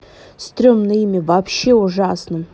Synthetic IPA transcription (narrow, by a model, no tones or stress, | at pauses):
st̪ɾʲomnɨjmʲɪvɐpɕːe̞ʊʐasnɨm